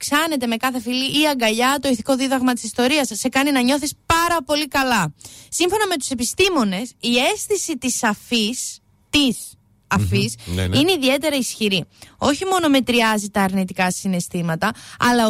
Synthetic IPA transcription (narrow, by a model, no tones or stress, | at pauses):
ksɐne̞t̪̬e̞me̞kɐθe̞filiʔːɐŋɡɐʎɐt̪o̞iθi̥ko̞ðiðɐɣmɐt̪i̥sist̪o̞ɾiɐssːe̞kɐninɐɲo̞θispɐɾɐpo̞likɐlɐsiɱfo̞nɐme̞t̪u̥se̞pist̪imo̞ne̞sie̞sθisit̪isɐfis | t̪is | ɐfisineiðie̞t̪e̞ɾɐisçiɾio̞çimo̞no̞me̞t̪ɾiɐzit̪ɐːɾnit̪ikɐsine̞st̪imɐt̪ɐɐlɐ